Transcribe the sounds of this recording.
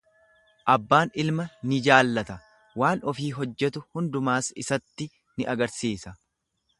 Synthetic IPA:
ʔɐbːaːnɪlmɐnɪd͡ʒaːlːɐt̪ɐ | waːnɔfiːɦɔd͡ʒːɛt̪ʊhʊnd̪ʊmaːsɪsɐt̪ːɪ | nɪʔɐɡɐɾsiːsɐ

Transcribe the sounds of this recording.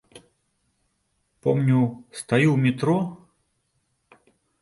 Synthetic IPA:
pɔmnʲust̪ajiwmʲit̪ɾɔ

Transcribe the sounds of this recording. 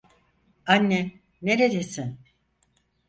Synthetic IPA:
anːɛ | ne̞ɾed̪e̞sin

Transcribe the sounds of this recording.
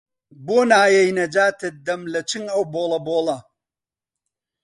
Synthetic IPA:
boːnaːjɐjnɐd͡ʒaːt̪ɨd̪ɐmlɐt͡ʃʰɨŋɐwboːlˠɐboːlɐ

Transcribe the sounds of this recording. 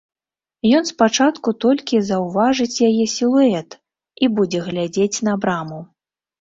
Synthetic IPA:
jɔnspat͡ʂat̪kut̪ɔlʲkʲizɐwvaʐɨt͡sʲjajɛsʲilˠuɛt̪ | ibud͡zʲɛɣlʲad͡zʲet͡sʲn̪ɐbɾamu

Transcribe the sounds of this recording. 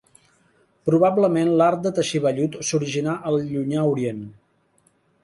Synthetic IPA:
pɾuβabləmenlaɾt̪̚d̪ət̪əʃiβəʎut̪suɾiʒinaʔəlˠʎuɲauɾien

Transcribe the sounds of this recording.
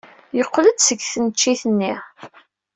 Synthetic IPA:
jəqːləd̪səɡθənt͡ʃːiθənːi

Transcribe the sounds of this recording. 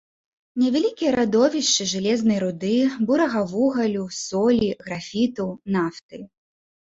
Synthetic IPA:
nʲɛvʲalʲikʲijɐɾad̪ɔvʲiʂt͡ʂɨʐɨlʲɛznɐjɾud̪ɨbuɾɐɣɐvuɣɐlʲusɔlʲiɣɾafʲit̪ɐwnaft̪ɨ

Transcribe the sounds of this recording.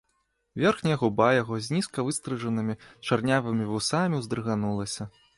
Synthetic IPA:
vʲɛrxnʲɐɣubajaɣɔzʲnʲiskɐvɨst̪ɾɨʐɐnɨmʲit͡ʂarnʲavɨmʲivusamʲiwzd̪ɾɨɣanulˠɐsʲɐ

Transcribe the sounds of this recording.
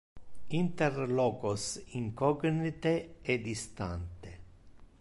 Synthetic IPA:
int̪erlɔːkosiŋkɔɡnit̪eɛd̪ist̪a̰nt̪e

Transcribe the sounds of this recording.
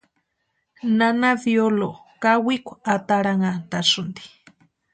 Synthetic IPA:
nanaβjolo | kawikʷat̪aɾaŋat̪asʊnd̪i̥

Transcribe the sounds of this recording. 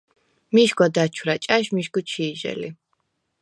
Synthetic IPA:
miʃɡwad̪at͡ʃʰwɾat͡ʃʼaʃmiʃɡut͡ʃʰiːʒɛ̰li

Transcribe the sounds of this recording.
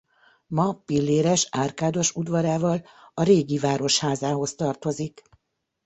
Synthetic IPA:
mɒpilːeːɾɛʃaːrkaːd̪o̞ʃud̪vɒɾaːvɒl | ɒɾeːɡivaːɾo̞ʃhaːzaːɦo̞st̪ɒrt̪o̞zik

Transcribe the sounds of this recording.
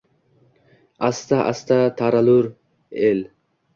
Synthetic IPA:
ast̪aʔa̰st̪at̪ʰaɾaluɾ | el

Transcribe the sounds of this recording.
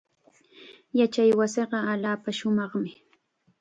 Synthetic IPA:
jat͡ʃajwasɪɢɑaʎaːpaʃʊmɑχmɪ

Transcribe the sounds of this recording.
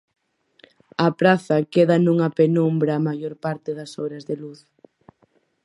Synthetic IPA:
ɐpɾaθɐkeðɐnuŋɐpenumbɾɐːmajoɾpaɾt̪eðɐsoβɾɐzðeluθ

